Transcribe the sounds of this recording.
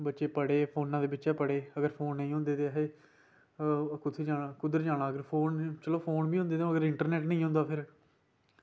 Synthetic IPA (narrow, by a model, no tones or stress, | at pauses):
bətːʃeːpəɽeːpʰoːnãːd̪eːbɪt͡ʃɛːpəɽeːəɡəɾpʰoːnːə̃ĩːɦʊ̃nd̪eːt̪eːɦeː | kʊt̪ʰeːd͡ʒaːaːkʊd̪əɾd͡ʒaːɽ̃ãːəɡəɾpʰoːnt͡ʃəloːpʰoːnbiːɦʊ̃nd̪eːt̪ẽːəɡəɾɪɳʈəɾnɛːʈnəĩːɦʊ̃nd̪aːpʰɪɾ